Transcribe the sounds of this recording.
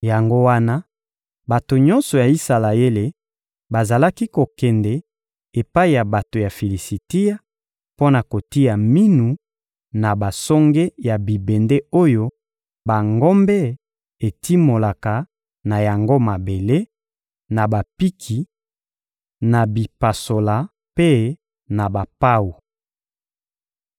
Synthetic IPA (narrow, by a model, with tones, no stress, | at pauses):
ja˨ŋɡo˦wa˦na˦ | ba˨to˨ɲɔ̃˦nsɔ˨ja˨i˦sa˨la˨je˦le˨ | ba˨za˨la˦ki˦ko˨kɛ˨ndɛ˨ | e˨pa˦i˨ja˨ba˨to˨ja˨fe˨li˨si˨ti˦ja˦ | po˦na˨ko˨ti˦ja˨mi˦nu˨ | na˨ba˨sɔ˦ŋɡe˦ja˨bi˨be˨nde˦o˦jo˦ | ba˨ŋɡɔ˦mbɛ˦ | e˨ti˦mo˨la˨ka˨ | na˨ja˨ŋɡo˦ma˨be˨le˦ | na˨ba˨pi˦kʰi˨ | na˨bi˨pa˨so˨la˨ | pe˦ | na˨ba˨pa˦wo˨